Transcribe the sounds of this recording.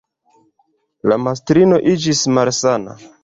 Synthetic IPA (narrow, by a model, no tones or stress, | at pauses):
lamas̬tɾino̞ʔid͡ʒismalsana̰